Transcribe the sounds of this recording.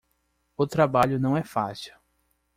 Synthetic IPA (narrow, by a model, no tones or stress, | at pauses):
ʊt̪ɾabaʎʊnɐ̃w̃ɛfasiw